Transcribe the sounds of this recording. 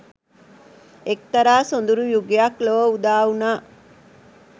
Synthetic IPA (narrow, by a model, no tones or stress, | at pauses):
ek̚t̪ɐɾaːsond̪uɾujuɡeakloʋəud̪aːunaː